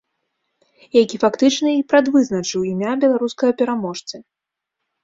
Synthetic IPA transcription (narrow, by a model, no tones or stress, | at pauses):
jakʲifakt̪ɨt͡ʂnɐipɾad̪vɨzn̪ɐt͡ʂɨwimʲabʲɛlˠaɾuskɐjɐpʲɛɾamɔʂt̪sɨ